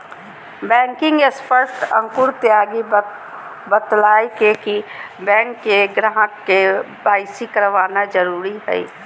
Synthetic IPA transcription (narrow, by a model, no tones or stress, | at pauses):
bɛ̃ːŋkɪ̃ŋɡespʰəɾsʈə̰̃ŋkʊɾt̪jaːɡi | bət̪laːekekibɛ̃ːŋkːeɡɾaɦə̃kːe | baːɪsikəɾʋaːnad͡ʒəɾuːɾiɦɛ̰ḭ